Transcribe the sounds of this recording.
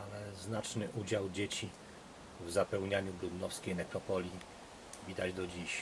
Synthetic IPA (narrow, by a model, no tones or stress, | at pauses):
alɛznat͡ʂnɘʔud͡ʑawd͡ʑet͡ɕi | vzapɛwɲaɲubɾud̪nɔfskʲejnɛkɾɔpɔlʲi | vʲid̪ad͡ʑd̪ɔd͡ʑiɕ